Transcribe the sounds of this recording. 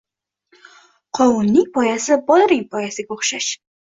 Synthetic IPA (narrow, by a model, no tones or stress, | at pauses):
qʰɒwʊnːɪŋpʰɒjasɪbɒlˠɨɾɪŋʲpʰɒjasɪɡʲaoχʃaʃ